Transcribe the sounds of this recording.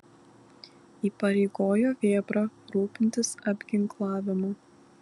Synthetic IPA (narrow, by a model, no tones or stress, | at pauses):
iːpɐɾʲɛɪɡoːjoːʋʲeːbɾɐɾuːpʲɪnʲt̪ʲɪsɐbʲɡʲɪŋklˠɑːʋʲɪmɐː